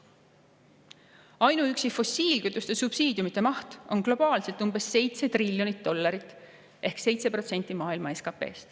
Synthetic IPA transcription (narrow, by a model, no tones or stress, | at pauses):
ɑjnuyksifo̞siːlkyt̪ːˑust̪e̞subsiːd̪jumit̪ːˑe̞mɑht̪o̞nklo̞b̥ɑːlse̞lt̪ːˑumb̥e̞sːe̞jt̪se̞t̪rilʲjo̞nit̪̚d̪o̞lːɑɾit̪ːˑ | ʔe̞hkse̞jt̪se̞pro̞t̪se̞nt̪ːˑimɑːilmɑe̞skɑpe̞̰ːst̪